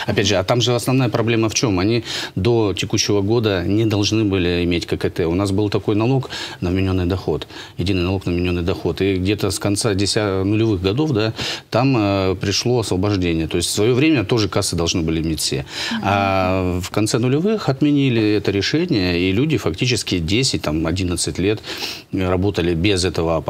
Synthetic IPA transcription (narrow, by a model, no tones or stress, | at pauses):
ɐpʲædʲʐɨɐt̪amʐɨɐsnɐvn̪ajəpɾɐblʲe̞məft͡ɕo̞mɐnʲid̪o̞tʲɪkuɕːɪvəɡo̞d̪ənʲɪd̪ɐlˠʐnɨbɨlʲɪɪmʲetʲkəkɨt̪ɛʊnasbɨlˠt̪ɐko̞jnɐlˠo̞knəvmʲɪnʲo̞nːɨjd̪ɐxo̞t̪jɪdʲinɨjnɐlˠo̞knəvmʲɪnʲo̞nːɨjd̪ɐxo̞t̪ɪɡdʲe̞t̪əskɐnt̪sadʲɪsʲanʊlʲɪvɨxɡɐd̪o̞fd̪at̪aməpɾʲɪʂlˠo̞ɐsvəbɐʐdʲenʲɪjət̪o̞ɪsʲtʲsvɐjo̞vɾʲemʲət̪o̞ʐɨkasɨd̪ɐlˠʐnɨbɨlʲɪɪmʲetʲfʲsʲḛafkɐnt̪sɛnʊlʲɪvɨxɐt̪mʲɪnʲilʲɪɛt̪əɾʲɪʂɛnʲɪjəilʲudʲɪfɐktʲit͡ɕɪskʲɪdʲesʲɪt̚ʲt̪amɐdʲinət̪sɨtʲlʲe̞t̪ | rɐbo̞t̪əlʲɪbʲɪzɛt̪əvə